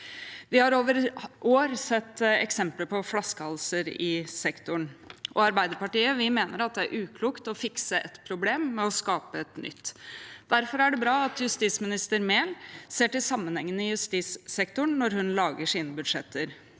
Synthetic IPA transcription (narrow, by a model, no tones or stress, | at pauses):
ʋɪhɑɾoːʋəɾʔoːɾsɛt̪ːɛ̰ksɛmpləpʰɔflɑskəhɑlsəɾɪsɛkt̪ʊɳʔɔɑɾbæɪd̪əɾpɑʈiːəʋɪmeːnəɾɑt̪̚d̪ɛæɾʔʉːkʰluːkt̪ɔfɪksəʔɛt̪pʰɾʊbleːmːɛɔskɑːpəɛt̪nʏ̰t̪ːd̪̥æɾfɔɾæɖɛbɾɑːɑt̪jʉst̪iːsmɪnɪst̪əɾmeːlseːʈɪlsɑmːənhɛŋːənɪjʉst̪iːsːɛkt̪ʊɳnɔɾhʉnlɑːɡəʂiːnəbʉd̪ʂɛt̪ʰːəɾ